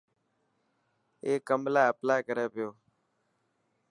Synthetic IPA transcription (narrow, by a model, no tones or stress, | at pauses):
eːkːəmlaːəplaːjkəɾeːpɪjoː